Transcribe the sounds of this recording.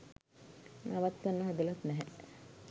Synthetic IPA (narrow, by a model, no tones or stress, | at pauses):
naʋat̪ːanːəɦad̪əlat̪nɛɦɛ